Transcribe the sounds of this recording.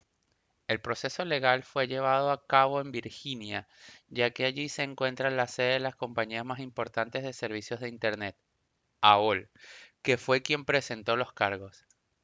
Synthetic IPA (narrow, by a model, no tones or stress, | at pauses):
e̞lpɾo̞se̞so̞le̞ɣalfwe̞ʝe̞β̞að̞o̞akaβo̞e̞mbiɾxinjaʝakeaʝise̞ːŋkwe̞nt̪ɾalaseðeðelasko̞mpaɲiazmasimpo̞ɾt̪ant̪e̞zðe̞se̞ɾβ̞isjo̞zð̞e̞int̪e̞ɾne̞t̪̚ | aolke̞fwe̞kje̞mpɾe̞se̞nt̪o̞lo̞skaɾɣo̞s